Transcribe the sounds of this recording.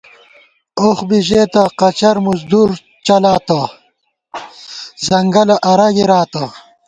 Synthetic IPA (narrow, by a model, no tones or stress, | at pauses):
oxbiʑeːt̪ɐqɐt͡ɕɐɾmuzd̪uɾ | t͡ʃɐlaːt̪ɐ | zɐŋɡɐlɐʔɐɾaɡiɾaːt̪ɐ